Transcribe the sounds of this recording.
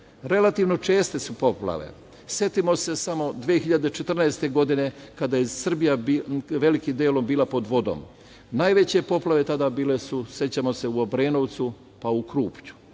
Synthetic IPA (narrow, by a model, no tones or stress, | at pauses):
ɾe̞lat̪iʋno̞t͡ʃe̞ːst̪e̞supo̞pla̰ʋe̞̰ | sje̞t̪imo̞se̞samo̞d̪ʋeːxiʎad̪et͡ʃe̞t̪r̩naest̪e̞ɡo̞d̪ine̞kad̪ajesr̩bijaiʋe̞likimd̪eːlo̞mbiːlapo̞d̪ʋo̞d̪o̰m | najʋe̞t͡ɕe̞po̞plˠaʋe̞t̪ad̪aːbiːle̞suse̞t͡ɕamo̞se̞uobɾe̞ːnoʋt̪su | paukɾuːpt͡ɕu̥